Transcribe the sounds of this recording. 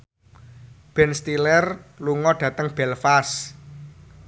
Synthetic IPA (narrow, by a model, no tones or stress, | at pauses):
b̥ɛnst̪ilɛrluŋɔɖ̥ä̤t̪əŋb̥ɛlfas